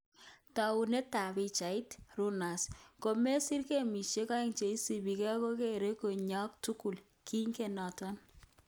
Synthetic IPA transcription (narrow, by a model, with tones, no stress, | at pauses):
ta˨u˨ne˦ta˨bi˨t͡ʃa˨ɪ˦tru˦na˨sko˨me˦si˦rke˦mi˨ʃe˦ka˦i˦ŋt͡ʃe˨i˦si˨bi˨kɛ˦ko˦ke˦˨ɾe˦ko˨ɲɔ˦k̚tu˦ku˨l | ki˦ŋke˨nɔ˨tɔ˦n